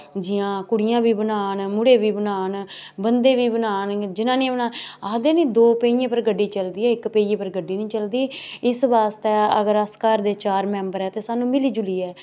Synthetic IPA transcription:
d͡ʒɪãːkʊɽɪjãːbiːbənaːnmʊɽeːʋiːbənaːnbənd̪eːʋiːbənaːnd͡ʒɪnãːnĩːbənaːnaːd̪eːnĩːd̪oːpeijẽːpəɾɡəɖːiːt͡ʃəld̪iːɛːɪkpeːiẽːpəɾɡəɖːiːnĩːt͡ʃəld̪iːɪsʋaːst̪eːəɡəɾəskaːɾd̪eːt͡ʃaːɾmɛ̃ːmbəɾɦɛːt̪eːsaːnũːmɪliːd͡ʒʊliːɛː

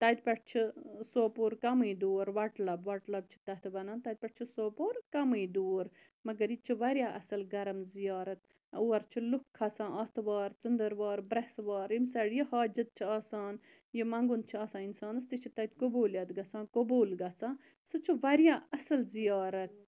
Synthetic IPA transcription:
t̪ɐt̪̚ʲpʲɐʈ̚t͡ʃʰisoːpuːɾkɐmiːd̪uːɾʋɐʈlɐbʋɐʈlɐb̚t͡ʃʰi̥t̪ɐt̪ʰbɐnãːnt̪ɐd̪̚ʲpʲɐʈ̚t͡ʃʰisoːpuːɾkɐmɨd̪uːɾ | mɐɡɐɾjit͡ʃʰiʋɐɾʲjaːʔɐsɐlɡɐɾɐmzijɑːɾɐt̪̚ | uːɐɾt͡ʃʰilukʰːɐsãːʔɐt̪ʰʋaːɾt͡sɨnd̪əɾʋaːɾbɾɐsʋaːɾimsɐɽjihaːd͡ʒɐt̪̚t͡ʃʰiaːsaːn | jimɐ̃ŋɡun̚t͡ʃʰiɐːsãːninsaːnɐst̪it͡ʃʰit̪ɐt̪ʲkobuːljɐt̪ɡɐsãːkobuːlɡɐsãː | sɨt͡ʃʰiʋɐɾjaːɐsɐlzijɑːɾɐt̪̚

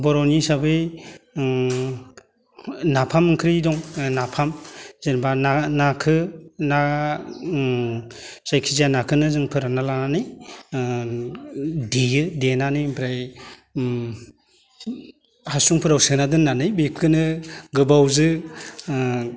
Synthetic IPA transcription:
bɔɾɔwnisabɯj | napʰamɯŋkʰɾidɔŋnapʰamzenbananakʰɯna | sajkʰizanakʰɯnɯzɯŋpʰɯɾanalananɯj | dijɯdenanɯjbɾaj | hasuŋpʰɯɾawsɯnadɯnːanɯjbep̚kʰɯnɯɡɯbawzɯ

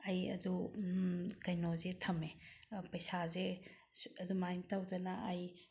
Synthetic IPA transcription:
ɐjɐ̰du | kɐjnozetʰɐmepɐjsaze | ɐdumajntawdɐnaːj

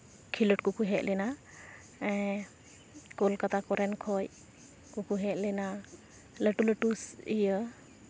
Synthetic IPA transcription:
kʰiləʈ̚kukuɦɛʔˀlɛna | ɛ | kɔlkat̪akɔɾɛnkʰɔj | kukuɦɛʔ̪̚lɛna | ləʈuləʈusḭjə

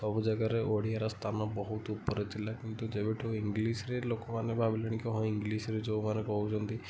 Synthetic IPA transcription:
sɔbud͡ʒaɡaɾeʔoɽ̤iaɾast̪ʰanɔbɔɦut̪upɔɾet̪ʰilakint̪ud͡ʒeβeʈʰɔwiŋɡlisɾelokɔmanebʱabilɔɽ̃ikɔɦɔjiŋɡlisɾed͡ʒowmanekɔɦut͡ʃʰɔnt̪i

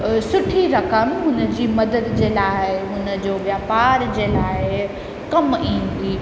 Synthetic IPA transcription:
sʊʈʰiɾɐkəmɦʊnə̆d͡ʑiːmɐd̪əd̪d͡ʑeːlaːɪɦʊnə̆d͡ʑoːʋjaːpaːɾd͡ʑeːlaːɪ | kɐmĩːnd̪iː

